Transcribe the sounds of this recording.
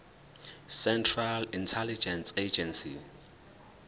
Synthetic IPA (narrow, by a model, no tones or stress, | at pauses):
sɛntʰralintʰɛlid͡ʒɛnsed͡ʒɛnsḭ